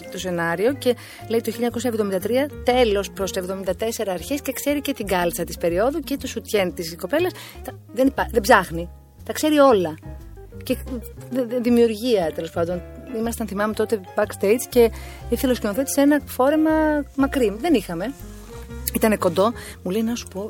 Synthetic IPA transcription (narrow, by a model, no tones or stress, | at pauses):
t̪o̞se̞nɐɾio̞ce̞ | le̞it̪oçiʎiɐɲɐko̞sɐevðomind̪ɐt̪ɾiɐt̪e̞lo̞spɾo̞st̪ɐevðo̞mind̪ɐt̪e̞se̞ɾɐːɾçesce̞kse̞ɾice̞t̪iɡɐlsɐt̪ispe̞ɾio̞ðucet̪osut̪çent̪isko̞pe̞lɐs | t̪ɐ | ðenipɐðebzɐxni | t̪ɐkse̞ɾio̞lɐ | ce̞ððimiuɾʝiɐt̪e̞lo̞spɐnd̪o̞nimɐst̪ɐnθimɐmet̪o̞t̪e̞bɐkst̪e̞jt͡sce̞iθiloscenoθe̞t̪i̥senɐfo̞ɾe̞mɐmɐkɾiðe̞nixɐme̞ | it̪ɐne̞ko̞nd̪o̞muleinɐsu̥po̞